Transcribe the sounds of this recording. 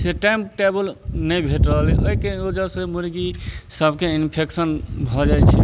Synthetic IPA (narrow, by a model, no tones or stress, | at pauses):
seʈajmʈebəlnəjbʱeʈɾəɦlɛəikeod͡ʒəɾsemuɾɡisəbkeinpʰeksənbʱɔd͡ʒajt͡ʃʰi